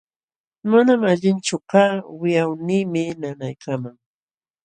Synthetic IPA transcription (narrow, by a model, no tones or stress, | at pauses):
manamaʎɪnt͡ʃʊkaːwɪjawniːmɪnanajkamaŋ